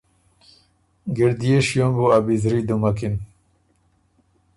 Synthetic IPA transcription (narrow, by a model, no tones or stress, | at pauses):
ɡiɾd̪ijeɕjombuabizɾid̪umakin